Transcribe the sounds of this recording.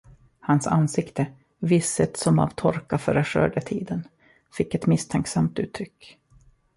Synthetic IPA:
hansa̰nsɪkt̪ə | vɪsːət̪sɔma̰vt̪ʰɔɾkafœːɾəʂœ̰ːɖət̪ʰiːd̪ən | fɪkːɛt̪mɪst̪ʰɛŋksamt̪ʉ̟ːt̪ʰːɾʏkː

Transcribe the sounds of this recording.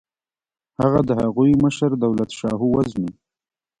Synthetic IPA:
haɣad̪əhaɣujməʃəɾd̪awlat̪ʃɑɦuwazmi

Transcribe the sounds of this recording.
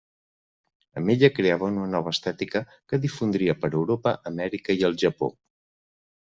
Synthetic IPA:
ə̰meʎəkɾeaβəunnənɔβ̞əːst̪ɛt̪ikə | kəðifund̪ɾiəpəɾəwɾopəʔəmɛɾikəiəlˠʒəpo̰

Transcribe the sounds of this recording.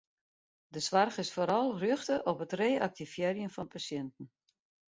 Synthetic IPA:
dəsʋarχɪsfoːɾɑlˠrʏxtəʔɔpətreːak̚tifjɛːrjənfɔnpʰasjɛntn̩

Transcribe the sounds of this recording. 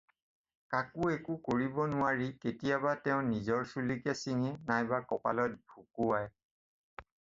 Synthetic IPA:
kakuekʊkoɹibɔnʊwaɹiketijabatɛʊ̃nizɔɹsulikɛsiŋɛnajbakɔpa̰lɔt̚bʱukuaj

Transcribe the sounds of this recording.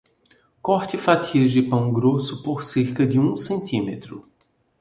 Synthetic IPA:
kɔɾt͡ʃ̪ɪfat̪ʰiɐʒɪpɐ̃w̃ɡɾosʊpoɾseɾkɐd͡ʒɪũsẽnt̪ʰĩmet̪ɾʊ

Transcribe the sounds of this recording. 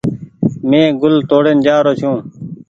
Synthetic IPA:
mẽːɡʊlt̪oːɽend͡ʒaːɾoːt͡ʃʰũː

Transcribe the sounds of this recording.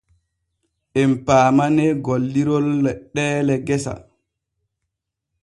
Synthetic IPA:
ʔɛmpaːmanɛɡolːiɾɔlːɛɗːɛːlɛɡɛsa̰

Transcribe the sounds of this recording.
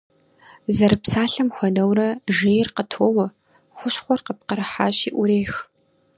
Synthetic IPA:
zɐɾɨpsaːɬɐmxʷɔdɐwɾɐʒeːjɪrqətʰoːwɐ | xʷʊɕχʷɔrqəp̚qəɾɨħa̰ːɕiːʔʷʊɾeːx

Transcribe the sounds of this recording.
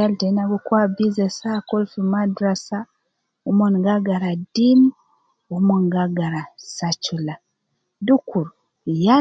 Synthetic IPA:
altenaβukwabizesakolfimadɾasa | umonɡaɡaɾadim | umonŋɡaɡaɾasat͡ʃula | dukuɾu | ja

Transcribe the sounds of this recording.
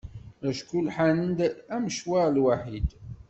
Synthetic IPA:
æʃkulħanənd̪æməʃwaɾlwaħid̪

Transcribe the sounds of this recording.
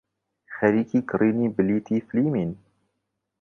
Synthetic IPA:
xɛɾiːkiːkɨɾiːniːbɨliːt̪ʰiːfliːmiːn

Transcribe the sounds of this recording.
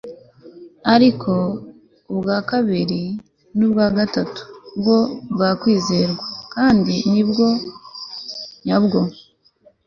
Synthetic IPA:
aɾikʰo̞ | ubɡaːkaβiɾi | nubɡaːɡatatu̥ːbɡo̞bɡaːkwiːzeɾɡwakaːndinibɡo̞ | ɲabɡo̞

